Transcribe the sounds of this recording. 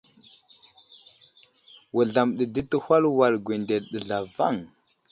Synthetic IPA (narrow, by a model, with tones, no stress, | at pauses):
wə˨ɮa˨mɗə˨də˦tə˦ha˦lwa˨lɡʷe˨nde˨lɗə˨ɮa˨va̰˦˨ŋ